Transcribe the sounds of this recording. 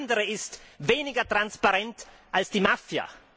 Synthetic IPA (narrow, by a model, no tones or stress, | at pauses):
ndəʁəɪstveːnɪɡɐtʁ̥anspaʁɛnt | ʔalsd̥iːmafja̰